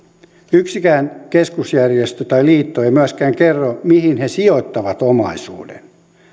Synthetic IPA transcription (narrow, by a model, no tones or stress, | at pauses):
yksikæːnkeskusjærjest̪øt̪ɑiliːt̪ːoeimyæskæːŋkerːomihinhesiot̪ːɑʋɑt̪omɑ̰isṵːdḛn